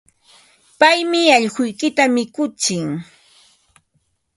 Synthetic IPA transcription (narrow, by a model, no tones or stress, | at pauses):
pajmɪɑʎɢʊjkɪt̪amɪkʊt͡ʃɪŋ